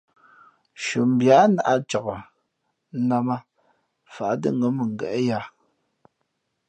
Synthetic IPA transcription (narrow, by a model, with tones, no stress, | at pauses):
ʃo˨m̩˨bja˨˦na˨ʔa˦t͡ʃa˨ka˨˦ | na˦ma˦ | fa˨ʔdə̰˦ŋ˦ɡə˦mə˨ŋ̩˨ɡɛ̰˨ʔja˦